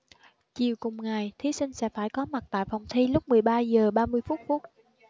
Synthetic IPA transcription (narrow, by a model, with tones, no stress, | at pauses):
t͡ɕḭ˨˧˨əwkʊ˨˩ŋ͡mŋa˨˩jt̪ʰi˨˦sï˧ŋ̟sɛ̰˧˥faː˧˩jkɔ˨˦ma˨˩t̚t̪a̰ː˧˨jfɔ˨˩wŋ͡mt̪ʰi˧lʊ˦˥k͡p̚mɨ˨˩əjɓaː˧zəː˨˩ɓaː˧mɨ˧əjfu˦˥t̚fu˦˥t̚